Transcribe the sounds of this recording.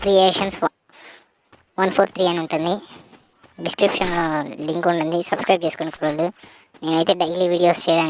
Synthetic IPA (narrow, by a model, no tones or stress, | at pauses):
kɾieːʂɐns | ʋɐnpʰoːɾt̪ʰɾiːɐniuɳʈund̪i | ɖiskɾipʂɐnloːliŋkuɳʈund̪isɐbskɾɐjp̚t͡ʃeːsu̥koːɳikuɽʋɐlːu | neːnɐjt̪eːɖɐiliʋiːɽijoːst͡ʃɛjɽaːn